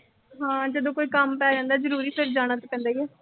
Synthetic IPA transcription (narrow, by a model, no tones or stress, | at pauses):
ɦãːd͡ʒəd̪õːkoːiːkəmpɛːd͡ʒãːnd̪aːzəɾuːɾiːpʰɪɾd͡ʒaːɽ̃aːt̪oːpɛ̃ːnd̪aːiɛː